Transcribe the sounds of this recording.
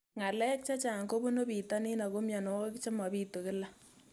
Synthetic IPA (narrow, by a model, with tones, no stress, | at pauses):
ŋa˨lɛ˦k̚t͡ʃa˦t͡ʃa˨ŋko˦bo˦no˦piː˨tɔ˦ni˦na˨ko˦mja˨no˨wɔ˦kkt͡ʃa˦mɔ˨pi˦to˨kɪ˦la˦